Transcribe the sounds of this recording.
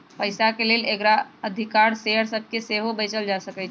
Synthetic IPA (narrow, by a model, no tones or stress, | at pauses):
pəɪsakeleːleɡɾaəd̪ʱɪkaːɾseːɦəɾsəb̚keseːɦobəɪt͡ʃəld͡ʒaːsəkət͡ʃ